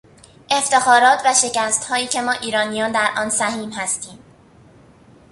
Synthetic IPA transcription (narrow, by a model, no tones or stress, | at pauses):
ʔe̞ft̪e̞xɒːɾɒːt̪ʰvæʃe̞cæst̪hɒːiːkcʰe̞mɒːʔiːɾɒːnijɒːnd̪æɾʔɒːnsæɦiːmɦæst̪iːm